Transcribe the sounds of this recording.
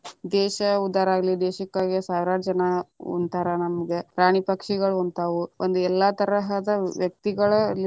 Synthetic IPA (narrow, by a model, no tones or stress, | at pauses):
d̪ɛːʃɐud̪aːɾaːɡɐlid̪ɛːʃɐkːaːɡisaːʋɾaːd͡ʒɐnɐo̰nt̪aːɾɐnɐmɐɡepɾaːɳipɐkʂiɡɐɭont̪aːʋuʔond̪uɛlːɐt̪ɐɾɐɦɐd̪ɐʋjɐk̚t̪iɡɐɭɐl